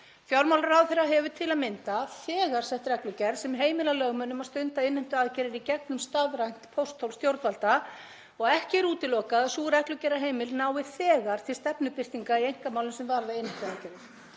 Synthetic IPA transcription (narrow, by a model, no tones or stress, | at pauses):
fjawɾmawlaɾawθɛɾaɦɛvʏt̪ʰɪlaðmɪnt̪aθɛːɣaɾ̥sɛht̪ɾɛklʏcɛɾsɛmɦeːjmɪlalœɣmœnːʏmaðst̪ʏnt̪aɪnːɪm̥t̪ʏaːðcɛɾɪɾicɛk̚nʏmst̪aðɾajn̥t̪pʰowst̪ʰowlst̪jowɾt̪valt̪a | ɔɣɛhcɪɾuːt̪ɪlɔːkaðasuːɾɛhklʏcɛɾaɦeːjmɪlnaːwɪθɛːɣaɾ̥t̪ʰɪlst̪ɛpnʏpɪr̥t̪iŋkaiejŋ̥kamaːwlʏmsɛmvaɾðaɪnhɪm̥t̪ʏaðcɛɾɪɾ̥